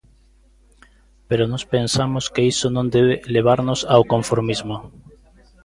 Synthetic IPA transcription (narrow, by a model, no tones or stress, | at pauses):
peɾonɔspensamoskeisonõnd̪eβeleβ̞aɾnosawkõɱfoɾmizmo